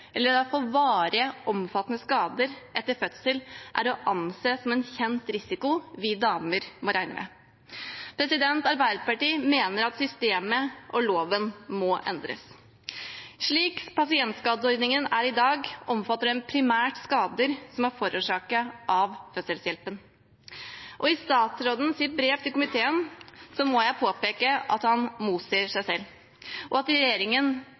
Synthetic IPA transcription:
ʔɛlːəɾd̪ɑfɔʋɑːɾəʔɔmfɑt̪ːnəskɑːd̪əɾʔɛt̪ːəɾfœt̪səlʔæ̰ɾɔʔɑnseːsɔmɛnçɛnt̪ɾɪsɪkʊʋɪd̪ɑːməɾmɔɾæɪnə̰mʔɛ̰ | pʰɾɛsɪd̪ɛnt̪ɑɾbæɪd̪əpɑʈiːmeːnəɾɑt̪sʏst̪eːməʔɔloːʋənmɔʔɛ̰nd̪ɾə̰s | ʂɭiːkpɑsɪɛnt̪skɑːd̪əɔɾd̪nɪŋənæɾɪd̪ɑːɡʔɔmfɑt̪ːəɾɛnpʰɾɪmæːʈskɑːd̪əɾsɔmæɾfɔɾʔuːʂɑːkəʔɑʋfœsəlsjɛlpən | ʔɔɪst̪ɑːt̪sɾoːd̪n̩sɪt̪̚bɾeːʋt̪ʰɪlkʊmɪt̪ʰeːənsɔmɔjæɪpʰoːpeːkəʔɑ̰t̪hɑnmuːt̪seːʂæɪsɛlː | ʔɔɑt̪ɾɛjeːɾɪŋən

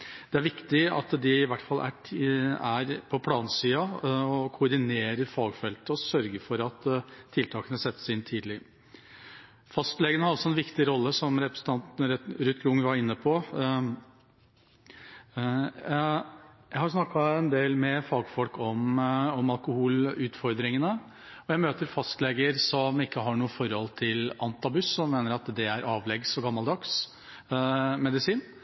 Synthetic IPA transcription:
d̪̥ɛæɾʋɪkt̪ɪɑ̰t̪d̪ɪɪʋæʈːfɑlːʔæ̰ʈʰæɾpʰɔpʰlɑːnsiːɑɔkʰʊɾɖ̪ɪneːɾəɾfɑːɡfɛlt̪əɔsœɾɡəɾfɔɾɑt̪ʰːɪlt̪ʰɑːkənəsɛt̪ːə̥sɪnt̪ʰiːd̪lɪ | fɑst̪lɛɡənəhɑɾɑlsɔɛnʋɪkt̪ɪɾɔlːəsɔmɾɛpɾə̥sn̩t̪ɑnt̪nəɾɾʉːt̪ɡɾʊŋʋɑɾɪnːəpʰɔ | jæɪhɑʊsnɑkːɑɛnd̪eːlmɛfɑːɡfɔlkɔmɔmɑlˠkʊhuːlʉːt̪fɔɾd̪ɾɪŋənə | ɔjæɪmøːt̪əɾfɑst̪lɛɡəɾsɔmɪkːəɦɑɳuːəfɔɾɔlt̪ʰɪlʔɑnt̪ɑbʉsːɔmːeːnəɾɑt̪d̪ɛæɾɑːʋlɛɡsɔɡɑmːɑld̪ɑks | mɛd̪ɪsiːn

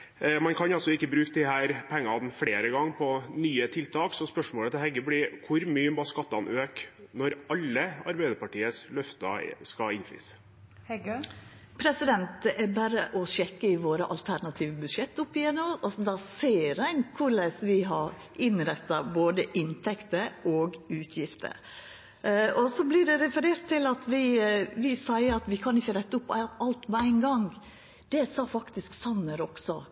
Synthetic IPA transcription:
mɑnkʰɑnɑlsɔɪkːəbɾʉːk̚d̪ɪhæːɾpʰɛŋːɑnfɽeːɾəɡɑŋːpʰɔnyːət̪ʰɪlt̪ʰɑːksɔspœʂmoːlət̪ɛhɛɡːəblɪkʰʊɾmyːəmbɑskɑt̪ːɑnøːknɔɾɑlːəɑ̰ɾbæɪd̪əɾpɑʈiːəslœft̪ɑ̰skɑɪnfɾḭːs | pʰɾɛsɪd̪ɛnt̪̚ɛʔɛbæːɾəʔɔɕɛkːəɪʋoːɾəʔɑ̰lt̪ʰæɾnɑt̪ʰiːʋəbʉd̪ʂɛt̪ːʊpːɪjɛnːɔmɔsd̪ɑseːɾæɪnkʰʊɾɭɛsʋɪɦɑɾ | ʔɪnɾɛt̪ːɑboːd̪əʔɪnt̪ʰɛkt̪əɾoːɡʉːt̪ʰjɪft̪ʰə̰ɾ | ɔsɔblɪɖɛɾɛfəɾeːɾt̪ʰːɪlɑt̪ʋɪʋɪsæɪəɑt̪ʋɪkʰɑnɪçːəɾɛt̪ːəʊpːɑlt̪mɛæɪnɡɑŋ | d̪̥ɛsɑːfɑkt̪ɪsksɑnːəɾɔksɔ

